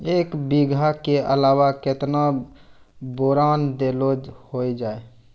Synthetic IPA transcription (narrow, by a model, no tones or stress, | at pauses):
eːkbiɡʱakeʔə̰laːwaket̪na | boɾaːnd̪elod͡ʒhoid͡ʒaːe